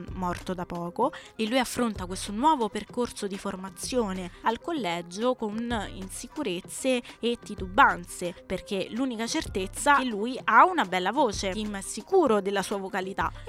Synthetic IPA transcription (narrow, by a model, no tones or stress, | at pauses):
mɔrt̪od̪apːɔːkoelːujafːɾont̪akwest̪onwɔːvoperkorsod̪iformat̪sːjoːnealkolːɛd͡ʒokonḭnsikuɾet̪sːeːt̪ːit̪ubːant̪seperk̟eluːnikat͡ʃert̪et̪sːaelːujaunabɛlːavoːt͡ʃeimɛsːikuːɾod̪elːasuːavokalit̪a̰